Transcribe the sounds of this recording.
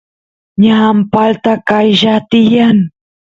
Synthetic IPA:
ɲampalt̪akajʒat̪ɪjaŋ

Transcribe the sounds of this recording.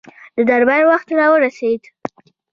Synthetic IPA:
d̪əd̪aɾbaɾwaxt̪ɾɑwəɾased̪

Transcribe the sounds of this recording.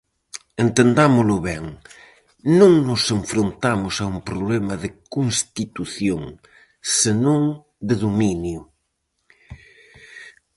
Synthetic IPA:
ent̪end̪amʊlʊβɛŋ | nõŋnʊseɱfɾont̪amʊsaumpɾoβlemɐðɪkoŋst̪it̪uθjoŋ | senõŋ | d̪ɪðominjʊ

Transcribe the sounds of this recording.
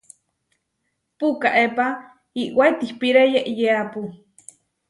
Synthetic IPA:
pukaʔepa | iʔwait̪ihpiɾejeʔjeapu

